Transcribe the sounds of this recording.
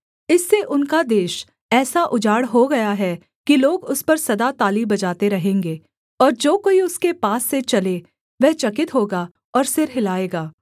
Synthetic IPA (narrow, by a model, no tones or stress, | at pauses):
ɪsːeʔʊnkad̪eːʃ | ɛːsaʔʊd͡ʒaːɽɦoɡɐjaɦɛ | kiloːɡʊspɐɾsɐd̪at̪aːlibɐd͡ʒaːt̪eɾɐɦẽːŋɡeː | ɔːɾd͡ʒoːkoːiʊskepaːsːet͡ʃɐle | ʋɛɦt͡ʃɐkɪt̪ɦoːɡaː | ɔːɾsɪɾɦɪlaːeːɡaː